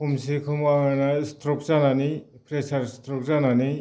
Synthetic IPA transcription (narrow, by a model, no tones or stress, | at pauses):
kʰumsikʰɯmaŋanastɾɔk̚zananipʰɾesaɾstɾɔk̚zanani